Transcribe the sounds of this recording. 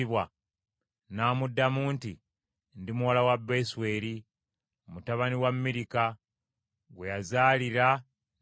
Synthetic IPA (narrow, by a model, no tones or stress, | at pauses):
iβwa | naːmudːamuːnti | ndimuwalawabeswe̞ːɾi | omutaβaniwamːiɾika | ɡwejazaːliɾa